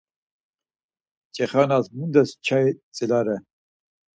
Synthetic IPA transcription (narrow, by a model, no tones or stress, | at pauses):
t͡ʃʼɛχanasmund̪ɛst͡ʃʰait͡sʼilaɾɛ